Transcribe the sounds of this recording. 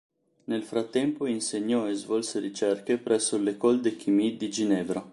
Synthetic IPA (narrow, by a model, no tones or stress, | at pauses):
nelfɾat̪ːɛmpoinseɲːɔezvɔlseɾit͡ʃɛrkepɾʔɛsːolekɔld̪ek̟ʰimid̪id͡ʒinɛːvɾa